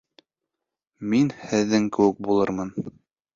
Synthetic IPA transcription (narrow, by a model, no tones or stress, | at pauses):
minhɘ̆ðːɘŋkɘ̆wɘk̚bulˠɤɾmɤn